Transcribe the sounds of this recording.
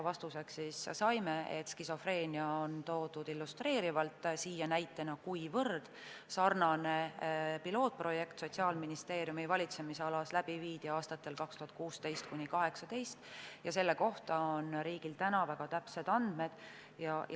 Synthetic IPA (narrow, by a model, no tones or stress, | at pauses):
vɑst̪use̞ksissɑjme̞et̪skiso̞fre̞ːnʲiɑont̪o̞ːd̪ud̪̥ilːust̪re̞ːɾivɑlt̪ːsiːjɑnæjt̪ːˑenɑkujvɤrd̪̥ | sɑrnɑnepilo̞ːt̪̚pro̞je̞kt̪so̞t̪siɑːlminist̪e̞ːɾjumivɑlʲit̪se̞miseɑlɑslæb̥iviːd̪̥iɑːst̪ɑt̪ːˑe̞lkɑkst̪uhɑt̪̚kuːst̪e̞jst̪̚kunʲikɑɦe̞ksɑt̪e̞jst̪jɑse̞lːe̞ko̞ht̪ɑonɾiːɡilt̪ænɑvæɡ̥ɑt̪æpse̞d̪̥ɑnd̪̥me̞d̪̥ | jɑ